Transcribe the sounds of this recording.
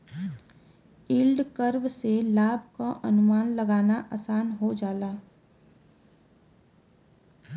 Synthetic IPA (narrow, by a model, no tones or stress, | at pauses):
ɪlɖkəɾʋselaːbʱkaʔənʊmaːnləɡaːnaʔaːsaːnɦod͡ʒaːlaː